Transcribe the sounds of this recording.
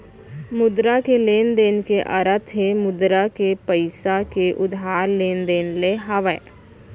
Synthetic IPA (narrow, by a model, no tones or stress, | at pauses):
mʊd̪ɾakeleːnd̪eːnkeʔəɾət̪ʰɦemʊd̪ɾakepəɪsakeʔʊd̪ɦaːɾleːnd̪eːnleɦaʋə